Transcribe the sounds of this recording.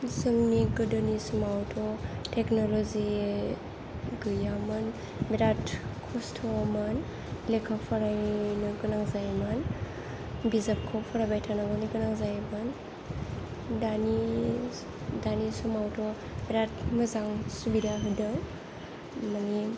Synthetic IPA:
zɯŋniɡɯdɯnisumawtʰɔtʰeknolozi | ɡɯjamɯn | miɾatkʰɔstʰɔmɯn | lekʰapʰaɾajnɯɡɯnaŋzajman | bizap̚kʰɔpʰaɾabajtʰanaɡɔniɡɯnaŋzajmɯn | dani | danisumawtʰɔ | biɾatməzaŋsubidaɦɯdɯŋ | mani

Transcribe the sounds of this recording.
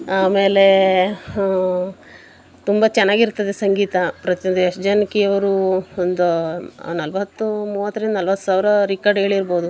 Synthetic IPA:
aːme̞ːle̞ | t̪umbɐt͡ʃɛnːaːɡiɾt̪ːɐd̪esɐŋɡiːt̪ɐpɾɐt̪jond̪ujɐʂd͡ʒɐnkijɐʋɐɾuond̪unɐlʋɐt̪ːumuːʋɐt̪ːɐɾend̪unɐlʋɐt̪ːu̥saːʋɾɐɾikaɾɖɦe̞ːɭiiɾboːd̪u

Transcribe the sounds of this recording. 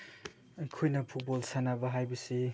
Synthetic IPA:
ɐjkʰojnɐpʰut̚bolsanabɐɦajbɐsi

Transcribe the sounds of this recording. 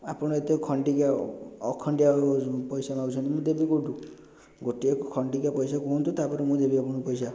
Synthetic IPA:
apɔɽ̃ɔet̪ekʰɔɳɖikaɔkʰɔɳɖiapɔjsamaɡut͡ʃʰɔ̃nt̪imũd̪ebikoɖũ | ɡoʈiekɔkʰɔɳɖikapɔjsakuɦũnt̪ut̪apɔɾemũd̪ebiapɔɽ̃ɔpɔjsa

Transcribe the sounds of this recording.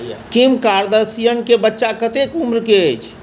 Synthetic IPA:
a̰kimkaɾd̪əɾsijənkebətːʃakət̪ekumɾkeəjt͡ʃʰ

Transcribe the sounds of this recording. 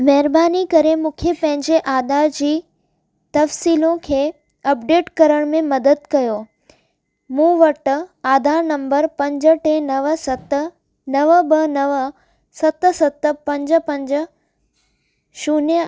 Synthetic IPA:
mɐɦɪɾbaːnikɐɾemũːkʰepɐ̃ɦɪ̃ɲd͡ʑeʔaːd̪aɾd͡ʑiː | t̪ɐfsiːlõkʰeː | ɐpɖeːʈkɐɾəɽ̃mẽmɐd̪əd̪̚kɐjoː | mũːʋɐʈaːd̪ʱaɾnɐ̃mbəɾpɐ̃ɲd͡ʑə̆ʈenɐʋsɐt̪ | nɐʋəbɐnɐʋ | sɐt̪sɐt̪pɐ̃ɲd͡ʑə̆pɐ̃ɲd͡ʑə̆ | ʃuːnjə

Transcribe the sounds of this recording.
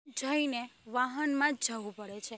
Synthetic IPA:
d͡ʒʱəineʋaɦənmãd͡ʒd͡ʒəʋũpəɽet͡ʃʰe

